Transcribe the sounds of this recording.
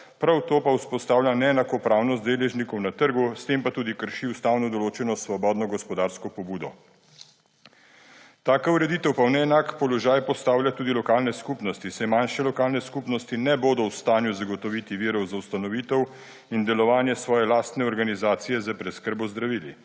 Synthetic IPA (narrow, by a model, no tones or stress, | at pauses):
pɾawt̪oːpauspɔst̪aːwlʲjanɛːnakɔpɾaːwnɔst̪d̪eːlɛʒnikɔwnat̪əɾɡust̪eːmpat̪uːd̪ikəɾʃiust̪aːwnɔd̪ɔloːt͡ʃɛnɔsʋɔbɔːd̪nɔɡɔspɔd̪aːɾskɔpɔbuːd̪ɔ | t̪aːkauɾɛd̪iːt̪ɛwpawnɛːnaːkpɔlɔʒaːjpɔst̪aːwlʲjat̪uːd̪ilɔkaːlnɛskupnɔst̪isɛmanʃɛlɔkaːlnɛskupnɔst̪inɛboːd̪ɔwst̪aːnjuzaɡɔt̪ɔʋit̪iʋiːɾɔwzawst̪anɔʋiːt̪ɛw | ind̪ɛlɔʋaːnjɛsʋɔːjɛlaːst̪nɛɔɾɡanizaːt̪sijɛzapɾɛt̪skəɾbɔzd̪ɾaʋiːlḭ